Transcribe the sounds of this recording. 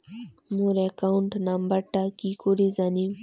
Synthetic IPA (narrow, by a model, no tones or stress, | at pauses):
muːɾekauɳʈnambɐɾʈakikoːɾizaːni